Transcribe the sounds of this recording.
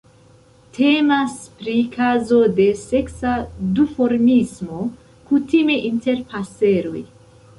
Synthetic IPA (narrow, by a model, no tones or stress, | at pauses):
tʰe̞maspɾikʰazo̞de̞se̞ksadufo̞ɾmismo̞ | kutime̞ʔinte̞ɾpase̞ɾo̞j